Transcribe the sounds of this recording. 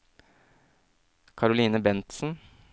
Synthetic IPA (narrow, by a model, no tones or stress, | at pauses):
kʰɑɾʊliːnəbɛnt̪sn̩